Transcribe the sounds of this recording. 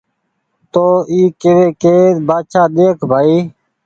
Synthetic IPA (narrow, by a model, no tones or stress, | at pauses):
t̪oːiːkeʋeːkeːbaːʃʰaːɗ̪eːkʰbʱaːiː